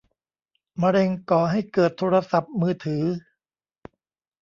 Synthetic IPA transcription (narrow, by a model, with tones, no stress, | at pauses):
ma˧ɾe˧ŋkɔː˨˩ɦa˥˩jkɤː˨˩t̪ʰːoː˧ɾa˧sa˨˩p̚mɯː˧t̪ʰɯː˩˦